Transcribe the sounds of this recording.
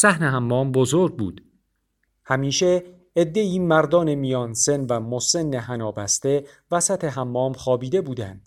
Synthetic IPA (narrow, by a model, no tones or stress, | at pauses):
sæhneɦæmːɒːmbozoɾɡ̚bṵːd̪̥ | hæmiːʃe̞ː | d̪ːe̞iːmæɾd̪ɒːne̞mijɒːnsenvæmose̞nːeɦænɒːbæst̪e̞ | væsæt̪ʰe̞ɦæmːɒːmχɒːbiːd̪e̞buːd̪ænd̪̥